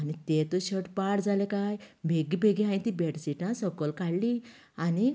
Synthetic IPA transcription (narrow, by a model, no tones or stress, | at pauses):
anit̪et̪oɕəʈpaɽd͡zʱalekajbʱeɡibʱeɡiɦãĩt̪ibeʈsiʈãsɔɡɔlkaɽli | ani